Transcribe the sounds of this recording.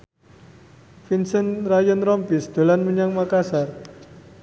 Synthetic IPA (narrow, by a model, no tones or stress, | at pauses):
finsənrajənɾɔmpɪsd̪̥o̤lanməɲaŋmakasar